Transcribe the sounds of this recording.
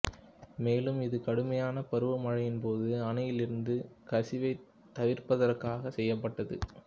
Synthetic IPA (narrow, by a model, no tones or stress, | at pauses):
meːlɯmɪðɯkɐɽɯmɐjaːnɐpɐɾɯʋɐmɐɻɐjɪnpoːðɯɐnɐjɪlɪɾɯnd̪ɯkɐsɪʋɐɪ | t̪ːɐʋɪɾpɐðɐrkaːɣɐsɛjːɐpːɐʈːɐðɯ